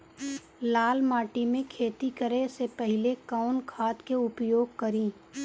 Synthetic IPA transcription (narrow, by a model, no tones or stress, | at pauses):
laːlmaːʈimẽkʰeːt̪ikəɾesepɛɦɪlekaʊnkʰaːt̪keʊpjoːɡ̚kɐɾĩː